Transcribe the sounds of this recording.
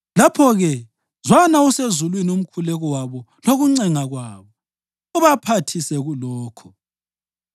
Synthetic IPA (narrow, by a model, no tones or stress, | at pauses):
lapʰɔɣɛ | zwanausezulwinium̩kʰulɛɣɔwaβɔ | loɣuŋ͡ǀɛŋaɣwaːβɔ | uβapʰatʰisɛɣulɔːkʰɔ̥